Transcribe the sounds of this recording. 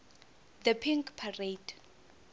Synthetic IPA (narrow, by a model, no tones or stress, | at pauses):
d̪əpʰiŋkpʰared̥